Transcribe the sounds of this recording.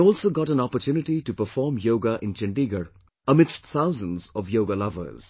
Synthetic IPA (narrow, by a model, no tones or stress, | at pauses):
ɔːlsoːɡɔʈæ̃nɔpəɾtjuːnɪʈiʈupəfɔːmjoːɡaʔɪ̃nt͡ʃɛ̃ɳɖiɡəɾ | əmɪdstt̪ʰaʊzə̃nzɔʋjoːɡalʌvə̰ɾz̥